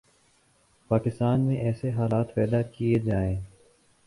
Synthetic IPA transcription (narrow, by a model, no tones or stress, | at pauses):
paːkɪst̪aːnmẽʔɛːseɦaːlaːt̪pɛːd̪akijed͡ʒaːẽː